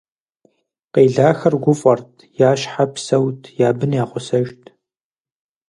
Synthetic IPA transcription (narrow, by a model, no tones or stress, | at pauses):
qeːɮaːxɐrɡʷʊfʼɐrtʰjaːʃħapsɐwtʰjaːbɨnjaːqʷʊsɐʒtʰ